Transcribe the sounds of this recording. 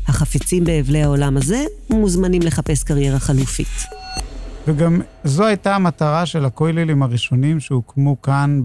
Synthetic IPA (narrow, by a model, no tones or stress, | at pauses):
haχafit͡simbe̞ːvlehao̞lamaze̞muzmanimle̞χape̞skaʁje̞ʁaχalufḭt | veɡam | zoajtamat̪aʁaʃelakojlilimaʁiʃo̞nimʃeukmukan